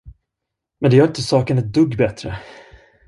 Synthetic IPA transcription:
mɛnd̪ɛjœːɾɪnt̪əsɑːkənɛt̪̚d̪ɵɡːbɛt̪ɾə̰

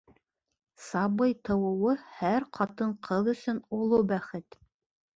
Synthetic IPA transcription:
sɑβɤjt̪ɤ̆wɤ̆wɤhæɾqʰɑt̪ɤɴqʰɤðɵ̆sɵnulˠɤbæχɘt̪

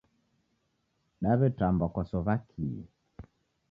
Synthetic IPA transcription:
ɗaβɛtambakwasɔvakʰiɛ̰

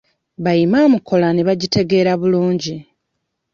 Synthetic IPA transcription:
βajimamukʰo̞laneβaɟitʰe̞ɡe̞ːɾaβuluːɲɟi

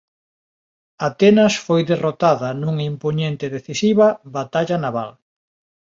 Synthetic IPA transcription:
at̪enɐsfojðerot̪aðɐnuŋimpoɲent̪eðeθisiβɐβat̪aʎanaβal

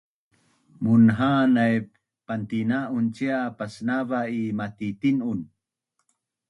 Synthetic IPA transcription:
munɦanaj | pant̪inaʔunt͡ʃiapasnavaimat̪it̪inun

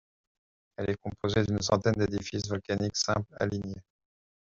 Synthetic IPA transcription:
ɛlɛkɔ̃pʰozed̪yns̬ɑ̰̃t̪ɛnd̪ed̪ifisvɔlkʲaniksɛ̃pla̰linje

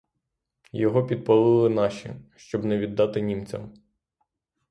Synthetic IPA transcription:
jɔɦɔpʲid̪̚pɐlˠɪlˠɪnɑʃḭʃt͡ʃɔbnɛʋʲid̪ːɑt̪ɪnʲimt͡sʲɐ̰m

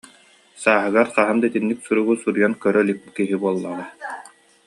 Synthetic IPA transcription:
saːɦɯɡaɾqaɦɯmd̪ait̪inːiksuɾuɡusuɾujɔnkœɾœlip̚kiɦibuɔlˠːala

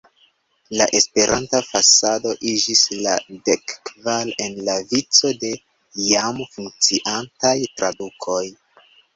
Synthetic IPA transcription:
laʔe̞spe̞ɾʔantafasado̞ʔid͡ʒisladekːvale̞nlavit͡so̞de̞ | jamfuŋk̚t͡siʔantajtɾʔadukʰo̞j

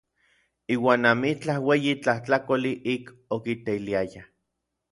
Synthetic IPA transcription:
iːwaːnamit͡ɬahweːjit͡ɬaht͡ɬakoliʔik | okit̪eiliaja

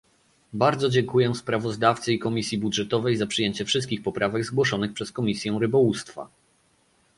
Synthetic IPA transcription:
baɾd̪zɔd͡ʑɛŋkujɛspɾavɔzd̪aft̪sɘikɔmʲisʲjibudʐɛt̪ɔvɛjzapʂɘjeɲt͡ɕɛfʂɘst̪̚kʲixpɔpɾavɛɡzɡwɔʂɔnɘxpʂɛskɔmʲisʲjɛw̃ɾɘbɔwust̪fa̰

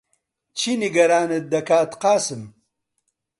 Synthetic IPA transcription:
t͡ɕʰiniɡɐɾaːned̪ɐkaːt̪qaːsɨm

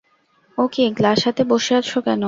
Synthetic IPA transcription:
okiɡlaʃat̪eboʃeaɾʃʰokɛno

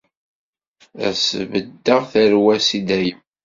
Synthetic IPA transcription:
æ̰səvəd̪ːəʁθæɾwæsid̪æjəm

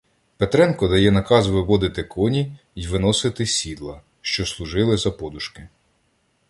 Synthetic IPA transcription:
pet̪ɾɛnkɔd̪ɐjɛnɐkɑzʋɪʋɔd̪ɪt̪ɪkʰɔnʲi | iʋɪnɔsɪt̪ɪsʲid̪lˠɐ | ʃt͡ʃɔslˠʊʒɪlˠɪzɐpɔd̪ʊʃkɪ

